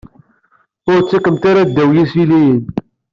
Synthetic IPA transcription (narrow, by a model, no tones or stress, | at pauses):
ʊɾt͡sːækəmt̪aɾad̪ːæwjisilijən